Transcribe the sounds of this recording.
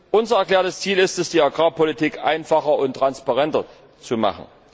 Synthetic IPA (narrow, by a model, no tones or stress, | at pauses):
ʔʊnzɐɛɐkl̥ɛːɐtəst͡siːlɪstɛsd̥iːaɡʁaːpɔlitiːkʔa̰ɪnfaχɐʊntːʁ̥anspaʁɛntɐ | t͡suma̰χn̩